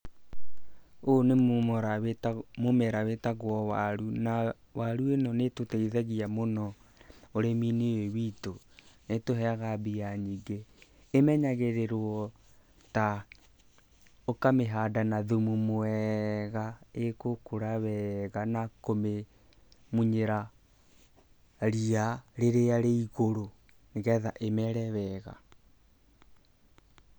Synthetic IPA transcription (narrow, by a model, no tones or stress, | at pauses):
oneɾamomɛɾawetaɣwɔwaɾuna | waɾuenɔnetoteiðɛɣiamonɔoɾeminiwewito | netoɦɛaɣabiaɲiɡeː | mɛɲaɣeɾeɾwɔ | ta | okameɦaːdanaðumumoɛɣaekokoɾaβɛɣanakome | muɲeɾa | ɾiaɾeɾeaɾeiɣoɾo | neɣɛðaʔemɛɾɛβɛːɣa̰